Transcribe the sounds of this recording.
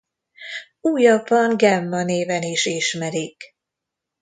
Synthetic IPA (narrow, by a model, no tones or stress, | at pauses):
uːjɒbːɒŋɡɛmːɒneːvɛniʃiʃmɛɾik